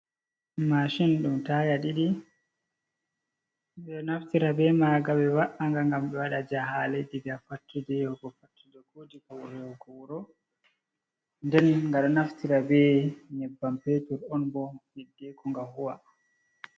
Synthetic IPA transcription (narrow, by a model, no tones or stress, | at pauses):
maʃinɗumtaːjaɗiɗi | ɓɛɗɔnaftiɾabɛmaɡaɓɛwaʔaŋɡaŋɡamɓɛwaɗad͡ʒaɦalediɡafatːidɛhɔɡɔfatːidɔkoːdikɔwɔhɛhɔɡɔwuɾɔ | ndɛnŋɡaɗɔnaftiɾabɛɲɛbːampetuɾɔnbɔhidːɛkɔŋɡahuwa